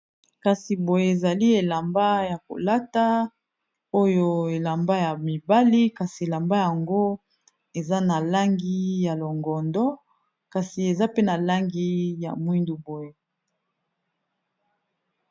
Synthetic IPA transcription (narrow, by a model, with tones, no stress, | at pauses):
ka˨si˨bo˨je˦e˨za˨li˦e˨la˨mba˦ja˨ko̰˨la˦ta˦ | o˦jo˦e˨la˨mba˦ja˨mi˨ba˦li˦ka˨si˨e˨la˨mba˦ja˨ŋɡo˦ | e˨za˦na˨la˦ŋɡi˦ja˨lo˨ŋɡɔ˨ndɔ˦ | ka˨si˨e˨za˦pe˦na˨la˦ŋɡi˦ja̰˨mwi˦ndu˨bo˨je˦